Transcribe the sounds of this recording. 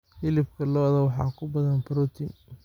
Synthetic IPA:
fɪlɪbkʰɐlɔːðɐwɑħɑ̰ːkʰʊbɐðɐnbɾɔt̪ʰɪn

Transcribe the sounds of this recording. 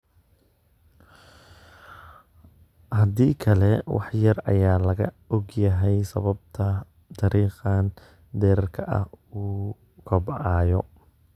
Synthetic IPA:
hɐðiːkʰɐlɛwɑ̰ħjɐrɐ̰jaːlɐɣɐ̰ | ɔɡjɐɦɛjsɐ̰βɐb̚t̪ʰɐ | t̪ʰɑɾiːqɑn | d̪ɛːɾɐrkʰɐʔɐ̰huː | kʰɔbʕɑːjɔ̰

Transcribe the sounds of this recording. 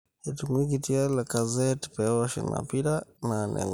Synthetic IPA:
ɛtumwikitialakazɛti̥pɛɔʃɛ̰nma̰piɾananɛ̰ŋ

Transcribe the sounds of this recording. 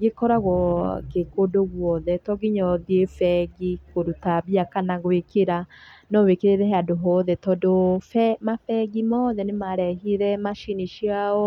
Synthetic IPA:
ɡekɔɾaɣɔkekodoɣwɔðɛtɔɡiɲɔðiefɛɡikoɾutaβiakanaɣwekeɾanɔwekeɾeɾɛɦadoɦɔðɛtɔdofɛmafɛɡimɔðɛnemaɾɛɦiɾɛmaʃiniʃiaɔ

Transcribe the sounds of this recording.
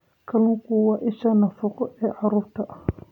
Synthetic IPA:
kʰɐlʊkʰʊwɑʔɪʃanɐfʊqɔʔɛːʕɑɾuːɾt̪ʰɐʔɐ

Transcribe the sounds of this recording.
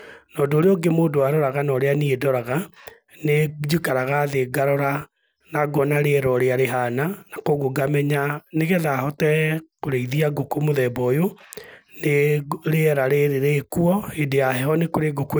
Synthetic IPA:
nɔdoːɾeɔɡemoːdoaɾɔɾaɣanɔɾeaniedɔɾaɣa | ned͡ʑikaɾaɣaðeɡaɾɔɾa | naɡɔnaɾeɛɾɔɾeaɾeɦananakoɣoɡamɛɲaneɣɛðahɔtɛkoɾeiðiaɡokomoðɛbɔjo | neɾeɛɾaɾeɾeɾekuɔedeahɛɔnekoɾeɡok

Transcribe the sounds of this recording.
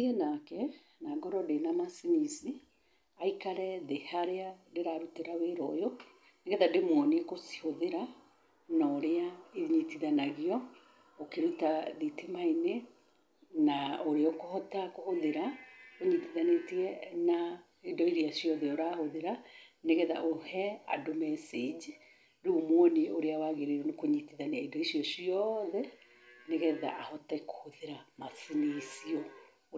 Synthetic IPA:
iɛnakɛ | naːɡɔɾɔdenamasinisi | aikaɾɛðehaɾeadeɾaɾuteɾaweɾɔ̰jo | neɡɛtademwɔnekosi̥hoðeɾa | naoɾeaiɲitiðanaɣiɔ | okeɾutaðitemaine | naoɾeɔkohɔtakohoðeɾakoɲitiðanetiɛna | edɔiɾiasijɔðɛoɾahoðeɾaneɣɛða̰ʔohɛa̰domɛsid͡ʒ | ɾumwoneoɾeawaɣeɾeɾonekoɲitiðaneaidɔisiɔsiɔðɛ | neɣɛða̰ʔahɔtɛko̥hoðeɾamasinisiɔ

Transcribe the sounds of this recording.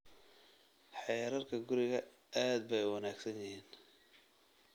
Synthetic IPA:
ħɛɾɐrkʰɐɡʊɾɪɣɐ | aːd̪̚bɛjwɑnaːɡsɐnjɪhiːn

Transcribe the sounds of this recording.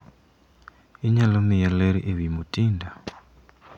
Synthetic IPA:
iɲalomijaleɾḭʔeβimutiːnda

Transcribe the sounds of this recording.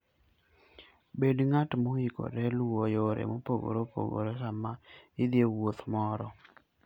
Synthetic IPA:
bedŋatmoiko̰ɾɛlwojoɾɛ̰mopoɡo̰ɾopo̰ɡo̰ɾekamaɪd̪jewot̪mɔɾɔ

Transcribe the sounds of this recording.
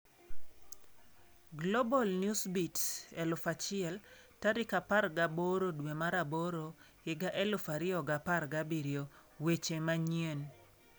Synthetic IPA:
ɡlobɔlnjusbitsɛlʊfat͡ʃɪɛltaɾɪkapaɾɡaboɾodwemaɾaboɾo | hɪɡaʔɛlʊfaɾɪɔɡaparɡabɪɾjo | wet͡ʃemaɲen

